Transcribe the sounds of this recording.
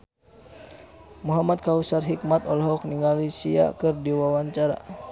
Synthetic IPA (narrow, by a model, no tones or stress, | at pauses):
muɦamat̪̚kausarɦik̚mat̪ɔlɦɔk̚niŋalisia̰kɨrdiwawaɲt͡ʃaɾa̰